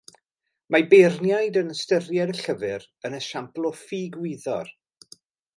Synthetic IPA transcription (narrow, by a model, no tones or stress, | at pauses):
mabernjajdənəstərjɛdəɬəvɨɾ | ənəʃamplˠɔfiːɡwɪðɔ̰r